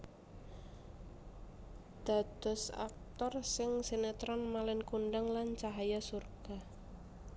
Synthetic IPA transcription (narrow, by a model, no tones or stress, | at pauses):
d̪̥a̤d̪̥ɔ̤sa̰k̚t̪ɔrsɪŋsenet̪ɾɔnmalɪnkuɳɖəŋlant͡ʃaɦajasurɡ̥a̤